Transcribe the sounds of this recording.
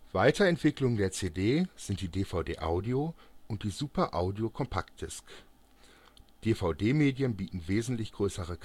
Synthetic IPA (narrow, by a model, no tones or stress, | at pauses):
v̥aɪtɐɛntv̥ɪklʊŋdeːɐt͡seːdeːz̥ɪnt̚d̥iːdeːfaʊdeːʔa̰ʊdioʔʊnt̚d̥iːzuːpɐʔaʊdiokʰɔmpʰakt̚d̥ɪsk | d̥eːfaʊdeːmeːdjənbiːtn̩veːzn̩tlɪçɡ̥ʁøːsəʁəkʰ